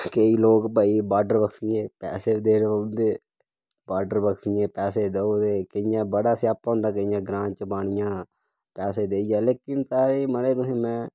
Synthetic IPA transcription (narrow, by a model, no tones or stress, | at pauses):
kəiːloːkpəiːbaːɖəɾbəksɪjẽːpɛːseːd̪eːnond̪eː | baːɖəɾbəkʰsɪjẽːpɛːseːd̪əoːd̪eːkəɪjãːbəɽaːsjaːpːɦõːnd̪aːkəjãːɡɾãːt͡ʃəbaːɽ̃ɪjãː | pɛːseːd̪eːid͡ʒaːleːkɪnsaːɾiːməɽeːt̪ʊsĩːmɛ̃ː